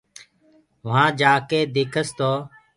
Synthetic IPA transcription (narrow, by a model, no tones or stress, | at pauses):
ʋɦãːd͡ʒaːkeːd̪eːkʰəst̪oː